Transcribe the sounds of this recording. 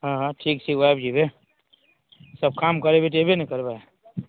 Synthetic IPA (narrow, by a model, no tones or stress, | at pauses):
ɦãɦãʈʰiksikʋajb̚d͡ʒibe | səb̚kamkəɾebeʈ̬ebenekəɾbaj